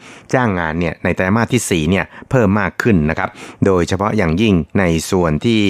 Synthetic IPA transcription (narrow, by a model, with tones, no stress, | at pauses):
t͡ɕaː˥˩ŋːaː˧nːi˥˩ɐna˧jt̪ɛː˦˥maː˥˩t̪ʰːiː˥˩siː˨˩ni˥˩ɐpʰɤː˥˩mːaː˥˩kʰːɯ˥˩nːa˦˥kʰa˦˥p̚doː˧jt͡ɕʰa˧pʰɔ˦˥ʔjaː˨˩ŋji˥˩ŋna˧jsu˨˩ənt̪ʰiː˥˩